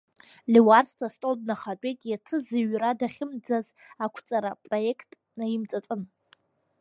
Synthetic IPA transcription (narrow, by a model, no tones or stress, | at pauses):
liwartʰtʰastʼod̚naχat͡pʷʼejtʼjatʰɨzɨɥradaχʲɪmd͡zaz | akʷʰt͡sʼaɾapʼro̞je̞kʰtʼ | najɪmt͡sʼat͡sʼɨn